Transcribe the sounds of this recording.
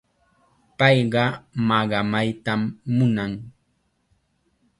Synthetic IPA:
pɑjɢɑmɑɢɑmajt̪amːʊnaŋ

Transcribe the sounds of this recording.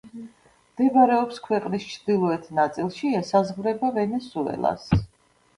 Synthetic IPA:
md̪̥ɛbɾɛɔpskʰwɛqʼnist͡ʃʰd̪̥ilˠɔɛt̪ʰnat̪sʼilˠʃiɛsazʁvɾɛbavɛnɛsuɛ̰lˠa̰s

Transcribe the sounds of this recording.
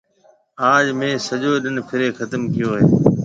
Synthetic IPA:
aːʄmẽːsəʄoːɗɪnpʰɪɾeːxət̪əmkɪjoːɦeː

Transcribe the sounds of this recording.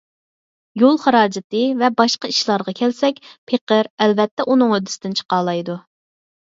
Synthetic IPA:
jolˠχɑɾɑːd͡ʒɪt̪ɨvɛbɑʃqɑiʃlˠɑɾʁɑkʲʰɛlsɛk̚ʲpʰeqəɾɛlvɛt̪ːɛʔunɨŋød̪ːɪsɪd̪ɪnt͡ʃʰə̥qɑːlˠɑjd̪u

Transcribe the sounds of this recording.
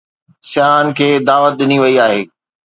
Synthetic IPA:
ʃaːnkʰeːd̪aːʋət̪̚ɗɪniʋɐiaːɦeː

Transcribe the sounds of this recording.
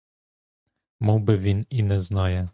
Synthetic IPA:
muwbɘvʲininɛznajɛ

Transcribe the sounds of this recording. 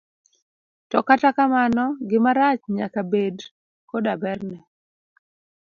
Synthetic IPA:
tɔkatakamanɔɡɪmaɾat͡ʃɲakabed | kodabɛrnɛ

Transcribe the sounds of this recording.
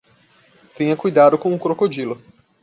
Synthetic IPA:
t̪ẽɲɐkujd̪ad̪ʊkõʊkɾokod͡ʒilʊ

